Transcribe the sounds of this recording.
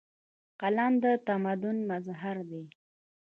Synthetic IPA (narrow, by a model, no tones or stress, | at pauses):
qalɑnd̪ət̪amad̪ʊnmazɦaɾd̪e